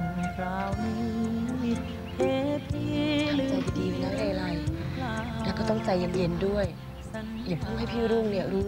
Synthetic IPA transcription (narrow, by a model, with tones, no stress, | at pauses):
a˧˦˧ | e˧t̪ʰi˧˥˧ | diː˧˩˨la˦˥˩la˧jɾa˨˧˩j | lɛː˧˩kɔː˥˩t̪ɔ˥˩ŋt͡ɕa˧jːa˨˧˦nje˨˧˦ndu˥˩əj | ja˨˩ŋt̪ʰɔ˥˩ŋɦa˥˩jpʰiː˥˩ɾuː˥˩ŋni˥˩ɐɾuː˦˥